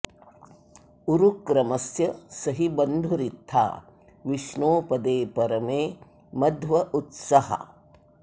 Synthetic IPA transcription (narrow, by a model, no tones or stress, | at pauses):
uɾukɾɐmɐsjɐsɐɦibɐnd̪ʱuɾit̪ʰːa̰ː | ʋiʃɳoːpɐd̪eːpɐɾɐmeː | mɐd̪ʱʋɐʔut̪sɐhɐ̰